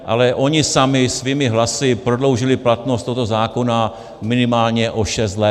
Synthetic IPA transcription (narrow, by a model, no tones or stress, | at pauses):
ʔa̰lɛʔo̞ɲɪsamɪsviːmɪɦlasɪpɾodlo̞wʒɪlɪplat̪nost̪oɦot̪ozaːko̞na | mɪnɪmaːlɲɛʔo̞ʃɛst̪lɛ